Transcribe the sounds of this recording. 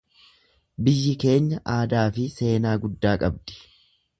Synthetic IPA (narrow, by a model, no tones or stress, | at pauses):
bɪjːɪke̞ːɲːɐʔaːd̪aːfɪse̞ːnaːɡʊd̪ːaːkʼɐbd̪̥ɪ̥